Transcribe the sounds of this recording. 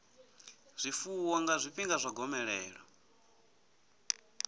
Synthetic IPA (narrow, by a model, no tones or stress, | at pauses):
z̥ʷifuwɔŋɡazʷiɸiŋɡazʷaɡɔmɛɺɛːɺa